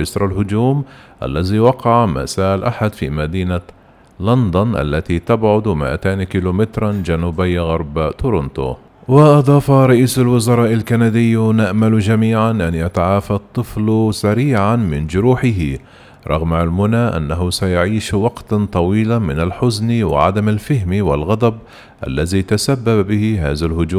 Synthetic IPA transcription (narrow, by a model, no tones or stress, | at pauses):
ɪsɾˤalhʊd͡ʒuːmʔa̰lːaziwɑqɑʕma̰saːʔlʔaħad̪fḭːmad̪iːna | lɑnd̪ʊnʔa̰lːat̪it̪abʕʊd̪mɪ̰ʔa̰t̪aːnkiluːmɪt̪ɾˤɑnd͡ʒanuːbɪjːɣɑɾˤbt̪ʊɾʊnt̪o̰ | wɪʔɑd̪ˤɑːfaɾˤɑʔiːsalwʊzɑɾˤɑːʔalkanad̪ɪjːnaʔmald͡ʒamiːʕanʔanjat̪aʕaːfat̪ˤːɨflsaɾiːʕanmɪnd͡ʒʊɾuːħɪɦɪ | ɾˤɑ̰ɣmalmʊnaʔa̰nːaɦʊsajaʕiːʃwɑqt̪t̪ˤɑwiːlamɪnalħʊznwɪ̰ʕa̰d̪amalfɪɦmwɪlɣɑd̪ˤɑb | ʔa̰lːazit̪asabːabbɪhɪɦaːðalhʊd͡ʒuːmm